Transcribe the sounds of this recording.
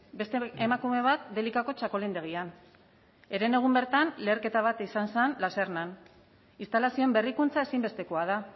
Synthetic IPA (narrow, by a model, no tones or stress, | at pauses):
be̞st̪eemakume̞β̞at̪̚d̪e̞likako̞t͡ʃako̞lind̪e̞ɣ̞ian | e̞ɾe̞ne̞ɣ̞umbe̞ɾt̪anle̞ːɾke̞t̪aβ̞at̪isansanlasernan | ist̪alasio̞embe̞rikunt͡sae̞simbe̞st̪e̞ko̞aða